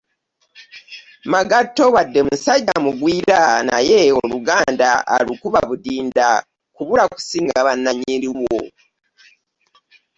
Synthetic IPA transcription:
maɡatːoβadːe̞musaɟamuɡwiːɾana̰je̞oluɡaːndaa̰lukuβaβudiːnda | kuβulaku̥siːŋɡaaβanːaɲiɾiwo̰

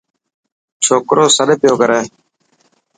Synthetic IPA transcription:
t͡ʃʰoːkɾʔoːsəɗpɪjoːkəɾeː

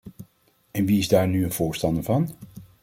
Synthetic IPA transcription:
ɛnʋiɪzdaːɹnyənv̥ʊːɹstɑndəɹvɑn

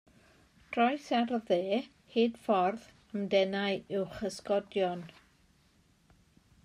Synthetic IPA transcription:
d̥rɔjsarðeː | hiːd̥fɔrð | əmdɛnaɨɪwχəskɔdjɔn

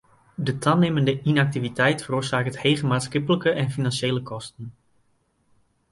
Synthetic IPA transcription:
dətʰaneməndəinak̚tivitʰɛjtfəroːsaːkəthejχəmaːtsχɪpələkəʔɛnfinanʃejləkʰɔstən

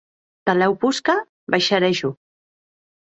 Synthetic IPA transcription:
t̪alɛwpuska | bajʃaɾɛʃu

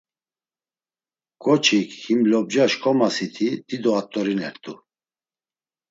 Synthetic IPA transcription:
kʼɔt͡ʃʰikʰhimlɔb̚d͡ʒaʃkʰɔmasit̪ʰid̪̥id̪ɔat̪ʼːɔɾinɛɾt̪ʼu

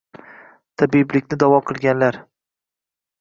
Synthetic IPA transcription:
t̪ʰabiblɪkʲnɪd̪avɒqʰɨlˠɡʲanlaɾ

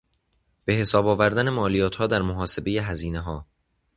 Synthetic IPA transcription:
b̥e̞ɦe̞sɒːbɒːvæɾd̪æne̞mɒːlijɒːt̪ʰhɒːd̪æɾmoɦɒːse̞be̞je̞ɦæziːne̞ɦɒː

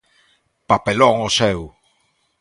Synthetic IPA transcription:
papeloŋosew

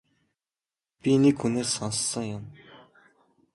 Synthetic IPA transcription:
pinikxuneːssansːə̆ŋjʊm

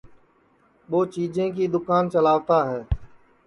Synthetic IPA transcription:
ɓoːt͡ʃiːd͡ʒẽːk̬iːd̪ʊkaːnt͡ʃəlaːʋt̪aːɦɛː

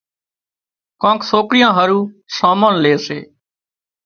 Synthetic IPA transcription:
kãːksoːkɾɪjãːɦəɾũːsaːmaːnleːsḛː

